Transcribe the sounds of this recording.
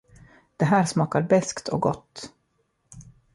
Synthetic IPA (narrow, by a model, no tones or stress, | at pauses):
d̪̥ɛɦæːɾʂmɑːkaɾbɛskt̪ʰɔ̰ɡɔ̰t̪ː